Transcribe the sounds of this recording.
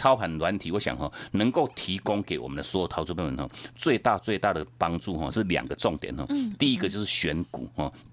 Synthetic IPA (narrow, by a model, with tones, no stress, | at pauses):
t͡sʰɑ˥˦ʊpʰa˨˦nlwa˧˦nt̪ʰi˨˥wɔ˧˦ɕja̰˨˩ŋɦɔ̰˥˧˩nə˧˦ŋko˥˩ʊt̪ʰi˨˧˥kʊ˥˦ŋke˨˩ɪwɔ̰˨˩mə˨˦nd̪ə˧swɔ˧˦˥jʊt̪ʰa˧ʊt͡sʰu˥˧pe˥˩nə̰˧˨nhɔ̰˥˧˩t͡swe˥˧ɪt̪a˥˧t͡swe˥˧ɪt̪a˥˩d̪ə˩pa˦ŋt͡su˥˨ɦɔ̰˥˨˩ʂɻ̩˥˩lja̰˨˩ŋɡə˦t͡sɔ˥˩ŋt̪jɛ̰˨˦nhɔ̰˥˧˩t̪i˥˧i˦˥ɡə˨t͡ɕjo˥˧ʊʂɻ̩˥˩ɕɥɛ˧˥nkṵ˨˩hɔ˥˨